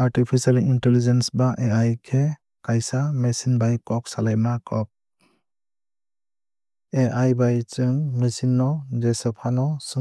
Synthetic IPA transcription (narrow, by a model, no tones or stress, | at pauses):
aɾʈipʰisalintelid͡ʒensbaʔeajkʰe | kajsamesinbajkɔk̚salajmakɔk̚ | eʔajbajt͡ʃɯŋmisinːɔd͡ʒesɔpʰanɔsɯ